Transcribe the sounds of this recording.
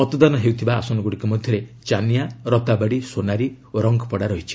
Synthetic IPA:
ɔt̪ɔd̪anɔɦewt̪ʰibaːsɔnɔɡuɽikɔmɔd̪ʱjɔɾet͡ʃanijaɾɔt̪abaɽisonaɾi | oɾɔŋɡɔpɔɽaɾɔɦit͡ʃʰi̥

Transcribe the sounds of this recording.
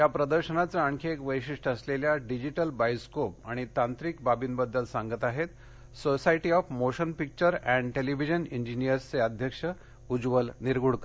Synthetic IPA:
japɾəd̪əɾɕənat͡saəɳkʰeːkʋəjɕiʂʈəsleljaɖid͡ʑiʈəlbajskop̚aɽ̃it̪ãnt̪ɾikbabiːnbəd̪ːəlsãŋɡət̪aɦet̪ | sosaiʈiɔfmoɕənpik̚t͡ɕəɾɛ̃ɳɖʈeliʋid͡ʑəniɲd͡ʑinijəɾst͡seəd̪ʱjəkʂə | ud͡zʋəlniɾɡuɽkə

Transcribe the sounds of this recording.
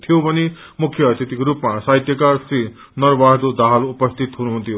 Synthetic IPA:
t̪ʰijobʱʌne | mukʰjʌːt̪ʰit̪ikoɾupmasaɦit̪jʌkarsi | nʌrbaɦd̪od̪aɦalupʌst̪ʰit̪ɦunuɦunt̪ʰijo

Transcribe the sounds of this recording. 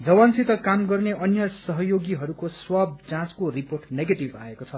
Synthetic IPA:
d͡zʌwansit̪ʌkamɡʌrneʔʌnjʌsʌɦʌjoɡiɦʌɾukoswab̚t͡sãt͡skoriporʈneɡeʈibaekot͡sʰʌ

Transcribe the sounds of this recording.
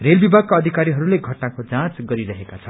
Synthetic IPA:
relbibʱaɡ̚kaʌd̪ʱikaɾiɦʌɾuleɡʱʌʈnakod͡zãt͡sɡʌɾiɾʌɦekat͡sʰʌn

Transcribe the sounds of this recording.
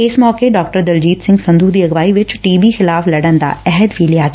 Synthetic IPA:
ɪsmɔːkeɖɔːk̚ʈəɾd̪ɐld͡ʒiːt̪sɪ̃ŋɡsɐ̃nd̪ʱuːd̪iːɐɡʋaːiʋɪt͡ʃʈiːbixɪlaːflɐɽənd̪a̰ːɛɦɛd̪ʋiːlijaːkː

